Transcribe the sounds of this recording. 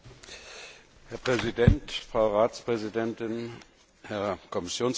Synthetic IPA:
hɛɐpʁ̥ɛzidɛntfʁ̥aʊʁaːt͡spʁ̥ɛzidɛntɪn | hɛɐkʰɔmɪsjoːns

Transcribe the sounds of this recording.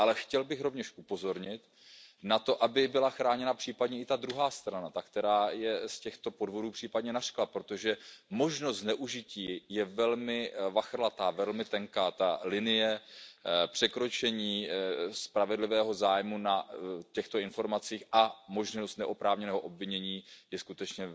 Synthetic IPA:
ʔalɛxcɛlbɪxɾo̞vɲɛʃʔupo̞zo̞ɾɲɪt̪ | nat̪o̞ʔabɪbɪlaxɾaːɲɛnapr̥iːpadɲɛɪt̪ad̪ɾuɦaːst̪ɾanat̪akt̪ɛɾaːjɛscɛxt̪o̞po̞dvo̞duːpr̥iːpadɲɛnar̥klapɾo̞t̪o̞ʒɛmo̞ʒnost̪nɛʔuʒɪciːjɛvɛlmɪvaxrlat̪aːvɛlmɪt̪ɛŋkaːt̪alɪnɪjɛ | pr̝̥ɛkɾo̞t͡ʃɛɲiːspɾavɛdlɪvɛːɦo̞zaːjmunacɛxt̪o̞ɪnfo̞ɾmat͡siːxʔamo̞ʒnost̪nɛʔopɾaːvɲɛnɛːɦoʔobvɪɲɛɲiːjɛskut̪ɛt͡ʃɲɛ

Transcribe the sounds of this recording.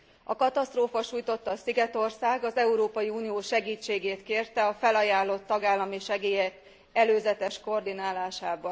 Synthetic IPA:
ɒ̰kɒt̪ɒst̪roːfɒʃuːjt̪o̞t̪ːɒːsiɡɛt̪o̞rsaːɡɒzɛuɾoːpɒjiuːnijoːʃɛɡiːt͡ʃːeːɡeːt̪keːrt̪ɛɒfɛlɒjaːlːo̞t̪ːɒɡaːlːɒmiʃɛɡeːjɛk | ɛløːzɛt̪ɛʃko̞rd̪inaːlaːʃaːbɒn

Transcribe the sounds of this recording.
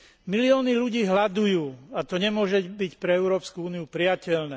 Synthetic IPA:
miliɔːniʎuɟiːɦlad̪ujuːat̪ɔɲɛmʊɔʒɛbicpɾɛɛʊɾɔːpskuuːniupɾɪjacɛʎnɛː

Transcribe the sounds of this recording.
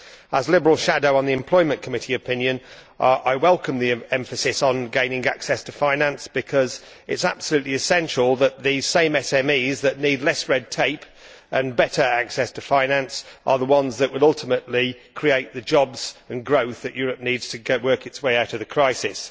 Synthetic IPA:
əzlɪbəɹəl̩ˠʃadoʊə̃nðiɨ̃mpʰl̥ɔɪmə̃nkʰəmɪtiɨpʰɪ̃njɨ̃n | ʔaɪwɛlˠkʰə̃mðiɛ̃ɱfəsɪsn̩ɡẽɪ̃nɪ̃ŋa̰ksɛstʰəfãɪ̃nãnsb̥ɨkʰʌz | ɪ̰tsa̰b̥səlʉˑʔˡliɨsɛ̃nʃəlˠðəʔ̪̚ðiz̥sẽɪ̃mɛsɛmiːzðəʔⁿnidˡlɛsɹɛd̚tʰeɪp | ʔə̃nbɛɾə˞aksɛstʰəfãɪ̃nãnsʔə̰ðəwʌ̃nzðəʔwəlʌlˠtɪməʔlikʰɹ̥ieɪʔ̪̚ðɨd͡ʒɒbz̥ə̃nɡɹoʊθðɨʔjɔːɹəp̚nidz̥tʰɨɡɛʔwɜˑ˞kɨtsweɪaʊɾəvðəkʰɹ̥aɪsɪs

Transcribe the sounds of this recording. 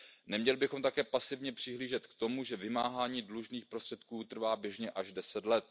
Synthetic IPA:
nɛmɲɛlɪbɪxo̞mt̪akɛːpasɪvɲɛpr̝̥ɪɦliːʒɛt̪kt̪o̞muʒɛvɪmaːɦaːɲiːdluʒniːxpɾost̪r̥ɛt̪̚kuːt̪r̩vaːbjɛʒɲɛʔaʒdɛsɛt̪lɛt̪̚

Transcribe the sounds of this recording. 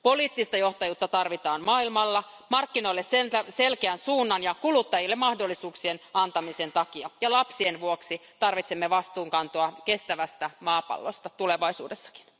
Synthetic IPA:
poliːt̪ːist̪ɑjoht̪ɑjuːt̪ːɑt̪ɑrʋit̪ɑːnmɑːilmɑlːɑ | mɑrkːino̞ilːessent̪æselkeænsuːnːɑnjɑkulut̪ːɑjilːemɑhdolːisuːksienɑnt̪ɑmisent̪ɑkiɑjɑlɑpsienʋuoksit̪ɑrʋit̪semːeʋɑst̪uːŋkɑnt̪oɑkest̪æʋæst̪æmɑːpɑ̰lːo̰st̪ɑt̪uleʋɑisṵːdesːɑ̥ki̥n

